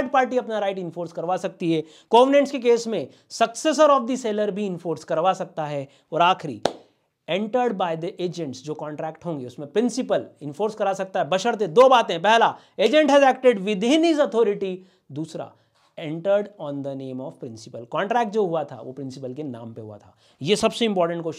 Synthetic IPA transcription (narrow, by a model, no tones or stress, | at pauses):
ʈ̚paːɾʈ̬iɐpnaɾaɪʈɪ̃nfoːɾskɐɾʋasɐk̚t̪iɦɛː | ɡ̥ɔːʋnẽɳʈskek̬eːsmẽ | sɐkses̬əɾɔːfd̪iseːləɾbʱiɪ̃nfoːɾskɐɾʋasɐk̚t̪aɦɛ | ɔːɾaːxʰɾḭ | ɛ̃ɳʈəɾɖbaːɪd̪iʔeːd͡ʒə̃ɳʈsd͡ʒoːkɔ̃ːɳʈɾɛːkʈɦõːŋɡeʊsmẽpɾɪ̃nsɪpəlɪ̃nfoːɾskɐɾasɐk̚t̪aɦɛbɐʃəɾt̪̬ẽd̪oːbaːt̪ẽɦpɛɦla | eːd͡ʒə̃ɳʈɦɛzɛːk̚ʈeɖʋɪd̪ʱeːnizɔt̪ʰɔːɾɪʈi | d̪uːsɾa̰ | ɛ̃ɳʈəɾɖɔ̃ːnd̪əneːmɔːʋpɾɪ̃nsɪpəlkɔ̃ːɳʈɾɛːk̚ʈ̚d͡ʒoːɦuat̪ʰa̰ʋo̰pɾɪ̃nsɪpəlkenã̰ːmpeɦua̰t̪ʰa̰ː | jesɐbseɪ̃mpɔːɾʈə̃ɳʈkoʃ